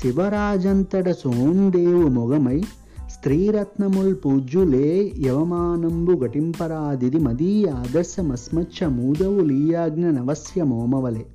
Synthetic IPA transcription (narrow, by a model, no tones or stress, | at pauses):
ʃiʋɐɾaːd͡ʒɐnt̪ɐɽɐsoːnd̪eːʋumɔɡɐmɐj | st̪ɾiːɾɐt̪nɐmulpuːd͡ʒuleːjɐʋɐmaːnɐmbuɡɐʈimpɐɾaːd̪id̪imɐd̪iːjaːd̪ɐɾsjɐmɐsmɐt͡ʃʰɐmuːd̪ɐʋuliːjaːɡnɐnɐʋɐsjɐmoːmɐʋɐle